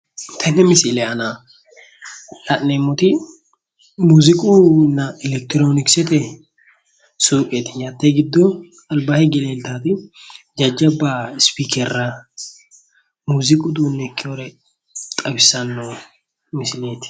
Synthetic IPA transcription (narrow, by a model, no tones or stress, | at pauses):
t̪ʰɐnɛmɪsɪlɛɐna | lɐʔneːmːʊt̪ɪ | muːzɪkʼuːnːɐɛlɛk̚t̪ɪɾoːnɪksɛt̪ɛ | suːʔʼet̪ɪ̥ɲat̪ːɛɡɪd̪ːɔ | ɐlbaːhɛɡɛleːlt̪aːt̪ɪ | d͡ʒɐd͡ʒːɐbːaspiːkɛrːɐ | muːzɪkʼʊd̪uːnːɛkːɪɔɾɛ | t̪ʼɐbɪsːɐnːo | mɪsɪleːt̪ɪ̥